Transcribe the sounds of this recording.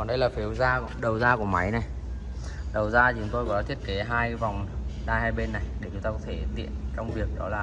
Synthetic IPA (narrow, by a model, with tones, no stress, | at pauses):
ɔ˨˩nɗə˧jlaː˨˩fi˨˦əwzaː˧ | ɗə˨˩wzaː˧ku˧˩əma˨˦jna˨˩j | ɗə˨˩wzaː˧t͡ɕʊ˨˦ŋ͡mt̪o˧jkɔ˨˦t̪ʰi˦˥ət̚ke˨˦ɦaː˧jva˨˩wŋ͡mɗaː˧jhaː˧jɓe˧nːa˨˩jɗe˧˩t͡ɕʊ˨˦ŋ͡mt̪aː˧kɔ˨˦t̪ʰe˧˩t̪ḭ˧˨ənt͡ɕɔ˧wŋ͡mvi˨˩ək̚ɗɔ̰˨˦laː˨˩